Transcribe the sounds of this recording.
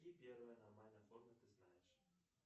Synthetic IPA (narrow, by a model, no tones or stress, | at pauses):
ipʲervəjənɐrmalʲnəɐformʲət̪ɨznajɪʂ